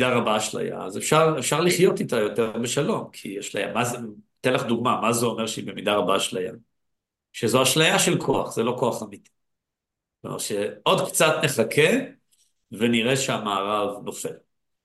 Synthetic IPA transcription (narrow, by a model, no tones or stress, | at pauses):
daʁabaʃla̰ja̰ːzefʃaʁefʃaʁliχjo̞titajo̞teʁbeʃalo̞mkʰiaʃla̰ja̰mazt̪elaχd̪uɡmamazeomeʁʃibemidaʁabaʃlaja̰ | ʃezoaʃlajaʃelkʰoa̰χz̥elo̞ko̞aχamiti̥ | o̰mḛʁʃeo̞dkt͡satne̞χakʰe | veniʁe̞ʃeamaːʁavno̞fel